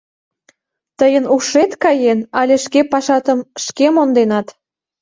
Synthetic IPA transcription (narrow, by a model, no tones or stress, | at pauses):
t̪əjənuʃet̪kɑjenɑlʲeʃkepɑʃɑt̪əmʃkemond̪enɑt̪